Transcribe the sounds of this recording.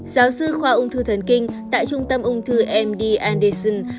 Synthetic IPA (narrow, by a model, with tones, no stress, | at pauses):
z̥aː˨˦wsɨ˧xwaː˧ʔʊ˧ŋ͡mt̪ʰɨ˧t̪ʰə˨˩nkï˧ŋ̟t̪a̰ː˧˨jt͡ɕʊ˧ŋ͡mt̪ə˧mʔʊ˧ŋ͡mt̪ʰɨ˧ʔɛ˧mɗi˧ʔaː˧nɗə˧sə˧n